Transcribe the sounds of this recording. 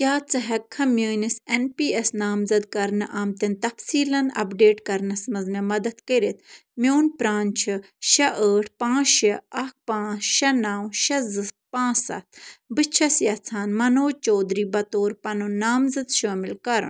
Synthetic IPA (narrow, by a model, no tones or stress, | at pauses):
kʲaːt͡sɐɦɐkʰːɐmʲjəːnisenpiːesnaːmzɐd̪̚kɐɾnɨʔaːmt̪ɐnt̪ɐfsiːlɐnɐ̰pɖeːʈkɐɾnɐsmɐzmɐmɐd̪ɐt̪kəɾit̪̚mjoːnpɾaːnt͡ʃʰɨ | ʃɐʔəːʈʰpãːʃɐɐk̚pãːt͡ʃʃɐnaːwʃɐzɨs̚pãːsɐ̰t̪ʰbɨt͡ʃʰɐsjɐt͡sʰaːnmɐnoːt͡ʃoːd̪ɾiːbɐt̪oːɾpɐnunaːmzɐd̪ʃaːmilkɐɾ̰n